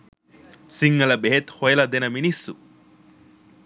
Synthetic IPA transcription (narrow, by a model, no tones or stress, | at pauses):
siŋːɐlɐbeɦet̪hojɐlɐd̪enɐminisːṵ